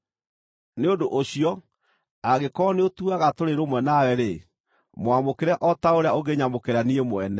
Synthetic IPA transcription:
neondoʔoɕiɔ | aɣekɔneotuaɣatoɾeɾomwɛnawɛɾe | moamokeɾɛʔɔtaoɾeaoɡeɲamokeɾaniemoɛnɛ

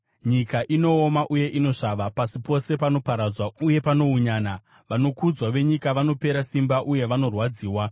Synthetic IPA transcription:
ɲikaʔino̞ːmaʔuje̞ʔino̞ʂaʋapasipo̞se̞pano̞paɾad͡zwauje̞pano̞uɲaːna | ʋano̞kud͡zwaʋe̞ɲikaʋano̞pe̞ɾasimbaʔuje̞ʋano̞rwad͡ziːwa

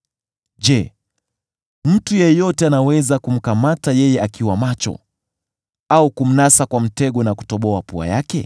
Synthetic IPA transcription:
d͡ʒɛ | m̩tujɛjɔtɛanawɛzakum̩kamatajɛjɛakiwamat͡ʃɔ̰ | aukum̩nasakwam̩tɛɠɔnaku̥tɔɓɔapua̰jakɛ̰

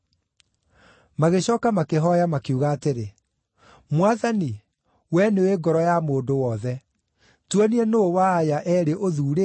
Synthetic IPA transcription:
maɣeɕɔːkamakeɦɔjamakiuɣaːteɾe | mwaðani | wɛneweɡɔɾɔjamoːndowɔðɛ | twɔniɛnowaːjaʔɛɾeʔoðuːɾe

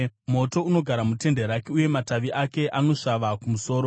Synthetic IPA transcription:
mo̞to̞uno̞ɡʱaɾamute̞ndeɾakeuje̞mataʋiʔake̞ʔano̞ʂaʋakumuso̞ːɾo̞

